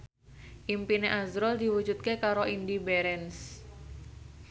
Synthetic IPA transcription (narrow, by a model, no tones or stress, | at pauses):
ʔimpineʔazɾɔld̪iwu̥d͡ʒut̪̚kekaɾoʔindibeɾɛns